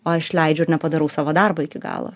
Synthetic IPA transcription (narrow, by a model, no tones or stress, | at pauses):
oːɐʃlʲɛɪd͡ʒʲʊɪɾnʲɛpɐd̪ɐɾɐʊsɑːʋoːd̪ɑrbɐɪkʲɪɡɑ̰ːlˠɐ̰